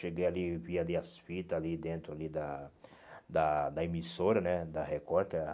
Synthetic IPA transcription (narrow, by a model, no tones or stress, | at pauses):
ʃeɡejalivialiasfit̪ɐalid̪ẽnt̪ɾʊalid̪ɐ | d̪ɐd̪ɐemisoɾɐnɛd̪ɐɦekɔɾk̪ɛ